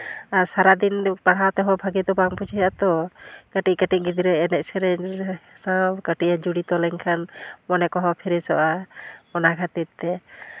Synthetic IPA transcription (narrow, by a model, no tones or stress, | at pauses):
aɾsaɾad̪inpaɽ̤awt̪ɛɦɔbʱaɡɛt̪ɔbaŋput͡ʃʰiɦat̪ɔkəʈikəʈiʔ̚ɡid̪iɾɛɛnɛʔ̚sɛɾɛsakəʈiʔad͡ʒuɽit̪ɔlɛŋkʰanmɔnɛkɔɦɔpʰiɾɛsɔ̰ʔamɔnaɡʱat̪it̪ːɛ